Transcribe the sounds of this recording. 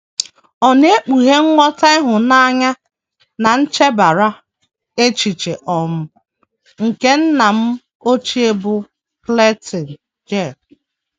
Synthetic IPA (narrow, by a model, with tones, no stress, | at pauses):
ɔ˨ne˦k͡pu˨ɦe˦ŋ̩˦ŋʷɔ˦ta˦ɪ˦ɦʊ˨na˦ɲa˦ | na˨n̩˦t͡ʃe˦ba˨ɾa˦ | e˦t͡ʃi˨t͡ʃe˨ʔɔ˨m̩˦ | ŋ̩˨ke˦n̩˦na˨m̩˦ | o˦t͡ʃi˦e˦bʊ˦ | ple˦ti˨n˨ | d͡ʒe˦˨